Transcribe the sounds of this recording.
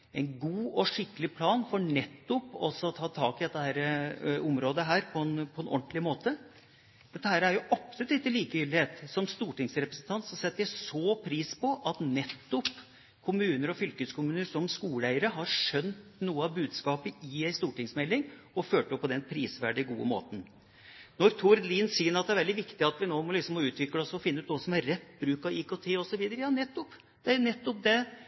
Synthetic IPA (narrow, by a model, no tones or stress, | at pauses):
ɛɪnɡuːɔʂɪkːəlɪpʰlɑːnfɔɳɛt̪ːɔpːɔ̰sɔt̪ʰɑːt̪ʰɑːkɪd̪ɛt̪ːəhæːɾəɔmɾoːd̪əɦæːɾpʰɔɛnpʰɔɛnʔɔɳt̪lɪmoːt̪ə | d̪̥ɛt̪ːəhæːɾæɾjʊʔɑpsʉt̪ɪt̪ːəliːkəʏːlɪheːt̪sɔmst̪uːʈɪŋsɾɛpɾəsnt̪ʰɑnt̪sɔsɛt̪ːəjæɪsɔpʰɾiːspʰɔʔɑt̪nɛt̪ːɔp | kʰʊmʉːnəɾɔfʏlkəskʰʊmʉːnəɾsɔmskuːləæɪəɾəɦɑɾʂœnt̪nuːəɑʋbʉːd̪skɑːpəɪæɪst̪uːʈɪŋsmɛlːɪŋ | ɔføːʈɔpʰːɔd̪ɛnpʰɾiːsʋæɖɪɡuːə̰mo̰ːt̪ən̩ | nɔɾt̪ʰʊɾd̪liːnsiːənɑt̪d̪ɛæɾʋɛld̪ɪʋɪkt̪ɪɑt̪ʋɪnoːmɔlɪksɔmɔʉːt̪ʰʋɪkːləɔsɔfɪnːəʉːt̪ɔsɔmæɾːɛt̪ːbɾʉːkɑʋiːkʰot̪ʰeːɔsɔʋiːd̪əɾəjɑːnɛt̪ːɔp | d̪̥ɛænɛt̪ːɔp̚d̪ɛ